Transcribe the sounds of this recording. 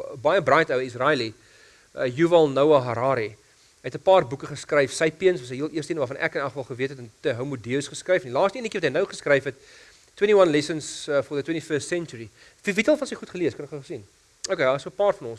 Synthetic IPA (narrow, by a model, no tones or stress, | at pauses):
bɐjəbrɑjtəwisrɑli | juvɐlˠnɐwɐɦɐɾɑːɾi | əətəpɑːrbukəχəskrɐjfsɐjpiənsvɐsɦəjɦiəlˠiəstiənvɑːfɐnʔæ̰kənɐχəfɐlˠχəviətɛtəntəɦɐwmudiəsχəskrəjfnilɑːstəiənəkivɐtɦəjnɐwχəskɾɐjfɦɛtː | wẽntiwɐnlɛsənsfɔðətwẽntifəːstsɛnt͡ʃuɾi | vivitəlˠfɐnsəjχutχəliəskənɛkəχsin | okedɑːsəəpɑːrfɐnɔ̃ns